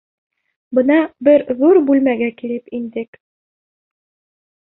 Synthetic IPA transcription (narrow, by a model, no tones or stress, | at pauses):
bɤ̆nɑbɘɾðuɾbʉlmæɡækilɘpind̪ɘk